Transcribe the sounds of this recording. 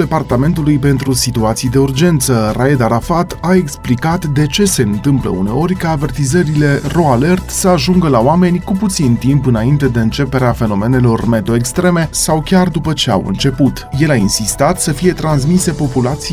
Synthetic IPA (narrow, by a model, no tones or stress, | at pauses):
d̪e̞part̪ame̞nt̪ulujpe̞nt̪ɾusit̪uat̪sijd̪e̞urd͡ʒe̞nt̪sərʔaed̪aɾafat̪ae̞ksplikat̪d̪e̞t͡ʃe̞se̞ɨnt̪ɨmplə̰ṵne̞̰o̞ɾʲkaːve̞rt̪izəɾile̞ro̞ale̞rt̪səaʒuŋɡəlaoame̞nʲkuput̪sint̪impɨnaint̪e̞d̪e̞ɨnt͡ʃe̞pe̞ɾeafe̞no̞me̞ne̞lo̞rme̞t̪o̞ekst̪ɾe̞me̞sawkʲard̪upət͡ʃe̞a̰wɨ̰nt͡ʃe̞put̪je̞lainsist̪at̪səfije̞t̪ɾans̬mise̞po̞pulat̪si